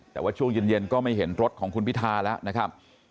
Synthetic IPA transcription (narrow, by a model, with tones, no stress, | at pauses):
t̪ɛː˨˩waː˥˩t͡ɕʰu˥˩ŋjɯː˧nje˧nkɔː˥˩ma˥˩jɦe˩˦nɾo˦˥t̪̚kʰɔː˩˦ŋkʰu˧npʰi˦˥t̪ʰaː˧lɛː˦˥wʔna˦˥kʰa˦˥p̚